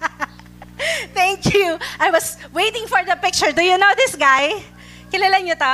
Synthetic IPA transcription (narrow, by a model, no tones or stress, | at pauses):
t̪ɛŋkjuʔajwɐswejt̪ɪ̃ŋfɔɹd̪ɐpɪk̚t͡ʃʊɹd̪ʊjunoʊd̪ɪsɡaj | kɪlalanɲot̪o